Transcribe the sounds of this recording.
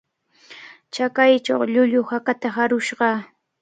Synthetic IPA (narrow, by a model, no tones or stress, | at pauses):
t͡ʃakajt͡ʃa̰wʎʊʎʊhakat̪aɦaɾʊʃɢɑ